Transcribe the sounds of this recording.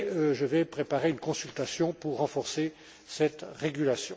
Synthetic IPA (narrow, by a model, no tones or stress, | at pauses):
ʒəvɛpχepaʁeynkɔ̃sylt̪asjɔ̃puʁːɑ̃fɔʁse | sɛt̪ʁeɡʲylasjɔ̃